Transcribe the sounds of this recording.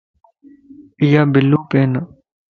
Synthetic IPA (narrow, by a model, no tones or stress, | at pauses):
ijaːbɪlːuːpeːna